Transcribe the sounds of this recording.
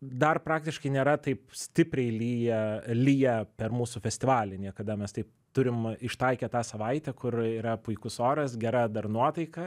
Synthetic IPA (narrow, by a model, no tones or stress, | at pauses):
d̪ɐrpɾɑːk̚t̪ʲɪʃkɐɪnʲeːɾɐt̪ɐɪpsʲt̪ʲɪpʲɾʲɛɪlʲiːjɛlʲiːjɛpʲɛrmuːsufʲɛsʲt̪ʲɪʋɑːlʲɪnʲiɛkɐd̪ɐmʲɛst̪ɐɪp̚ | t̪ʊɾʲɪmɪʃt̪ɐɪkʲɛt̪ɑːsɐʋɐɪt̪ʲɛkʊriːɾɐpʊɪkʊsoːɾɐsɡʲɛɾɐd̪ɐrnuɔt̪ɐɪkɐ